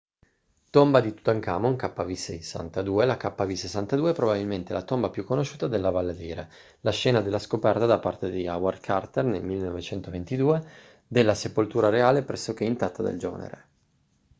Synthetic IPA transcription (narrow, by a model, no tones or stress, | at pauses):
t̪ombad̪it̪u̥t̪aŋka̰ːmoŋkapːavisesːa̰nt̪ad̪uːelakapːavisesːant̪ad̪uːeɛpɾobabilment̪elat̪ombapjukːonoʃuːt̪ad̪elːavalːad̪iːɾe | laʃːɛːnad̪elːaskopɛrt̪ad̪apːart̪ed̪iawarkʰart̪ernelmilːenovet͡ʃɛnt̪ovent̪id̪uːe | d̪elːasepolt̪uːɾaɾeaːlepɾɛsːok̟eint̪at̪ːad̪ḛld͡ʒo̰ːnḛɾḛ